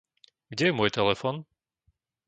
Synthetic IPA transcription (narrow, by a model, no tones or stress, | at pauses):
ɡdɟɛjɛmʊɔːjt̪ɛlɛfɔn